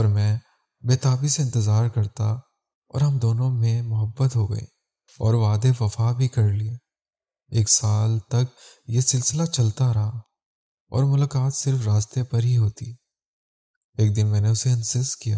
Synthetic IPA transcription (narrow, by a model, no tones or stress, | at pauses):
ɔːɾmɛ̃ː | beːt̪aːbiseɪ̃nt̪ɪzaːɾkɐɾt̪a | ɔ̰ːɾɦɐmd̪oːnõmẽmʊɦəbːət̪ɦoːɡɐ̰ḛː | ɔːɾʋaːd̪eʋɐfabʱikɐɾlieː | eːksaːlt̪ɐk̚jesɪlsɪlat͡ʃɐlt̪aɾɐɦa | ɔ̰ːɾmʊlaːkaːt̪sɪɾfɾaːst̪epɐɾɦiɦoːt̪iː | eːk̚d̪ɪnmɛ̃ːneʊseɐnsɪskijaː